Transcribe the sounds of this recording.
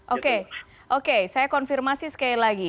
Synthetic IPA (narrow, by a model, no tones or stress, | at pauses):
ʔoke | ʔokesajakɔnfirmasisə̥kailaɡi